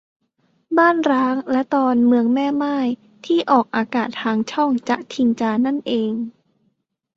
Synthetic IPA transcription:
baː˥˩nɾaː˦˥ŋlɛ˦˥t̪ɔː˧nmɯ˧əŋmɛː˥˩maː˥˩j | t̪ʰiː˥˩ʔɔː˨˩k̚ʔaː˧kaː˨˩t̪ʰːaː˧ŋt͡ɕʰɔ˥˩ŋt͡ɕa˨˩ʔt̪ʰi˧ŋt͡ɕaː˧na˥˩nʔeː˧ŋ

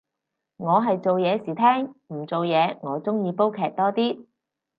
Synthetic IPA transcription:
ŋɔː˨˧ɦɐ˨jt͡so˨wjɛː˨˧siː˨˩t̪ʰɛː˥ŋm̩˨˩t͡so˨wjɛː˨˧ŋɔː˨˧t͡sʊ˥ŋjiː˨˧po˥wkʰɛː˧k̚t̪ɔː˥t̪iː˥

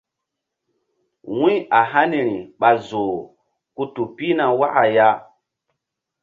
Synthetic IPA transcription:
wũ˦ja˨ɦa˦ni˨ɾi˨ɓa˨zo˨ | ku˦tu˨pi˦na˨wa˦ʔa˨ja˦

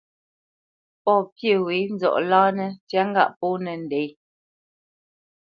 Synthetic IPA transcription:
pɔ˦pjə˦˨wi˨˦n̩˦d͡zɔ̰˨ʔlaː˦nɛ˦tja˦ŋ˦ɡa̰˦ʔpɔ˦nɛ˨n̩˨dɛ˨˦j

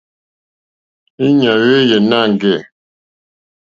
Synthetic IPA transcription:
i˦ɲa˨ɣe˦jɛ˨na˦˨ŋ˨ɡɛ˦˨

